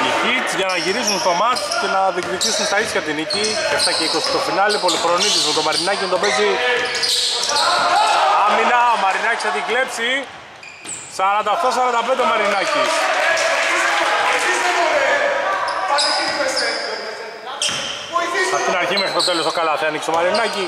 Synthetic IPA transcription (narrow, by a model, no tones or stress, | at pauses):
icit͡sʝɐnɐʝiɾisunst̪o̞mɐssce̞nɐðikðit̪isunt̪ɐisçɐt̪iniciceft̪ɐceiko̞si̥t̪o̞finɐlipo̞lixɾo̞nit̪ismut̪o̞mɐɾinɐcinɐt̪o̞pezi | ɐminɐmɐɾinɐci̥sɐðikle̞psi | sɐɾɐnd̪ɐokt̪o̞s̬ɐɾɐnd̪ɐpend̪emɐɾinɐci | ɐt̪inɐɾçimexɾist̪ot̪elost̪okɐlɐθeɐniksomɐɾinɐci